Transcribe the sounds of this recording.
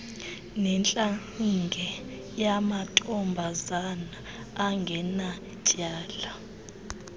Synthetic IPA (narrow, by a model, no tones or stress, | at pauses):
nɛnt͡ɬʼaŋiŋɡʱɛ | jamatʼɔmbʱazanaː | ŋɡʱɛna | cʼaːla